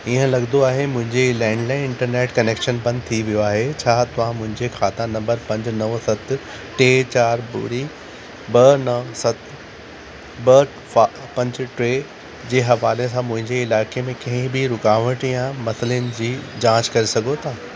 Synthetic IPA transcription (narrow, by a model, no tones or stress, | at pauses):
iɦə̃lɐɡnd̪oaːɦemʊ̃ɦɪ̃ɲd͡ʑelɛ̃ːɳɖlãːɪnɪ̃ɳʈəɾneːʈkɐneːkʃənbɐ̃nd̪̚t̪ʰiʋijoaːɦet͡ɕʰaːt̪ɐʋ̤ãmʊ̃ɦɪ̃ɲd͡ʑexaːt̪anɐ̃mbəɾpɐ̃ɲd͡ʑnɐʋsɐt̪ | ʈeːt͡ɕaːɾbʊ̰ɾi | bɐnɐʋsɐt̪ | bɐ | pɐ̃ɲd͡ʑʈɾeː | d͡ʑeːɦɐʋaːlesãmʊ̃ɦɪ̃ɲd͡ʑeɪlaːkemẽkɐ̃ɦɪ̃bɪɾʊkaːʋəʈjãmɐsəliənɪ̆d͡ʑiːd͡ʑãːt͡ɕkɐɾesɐɡʱot̪ʰaː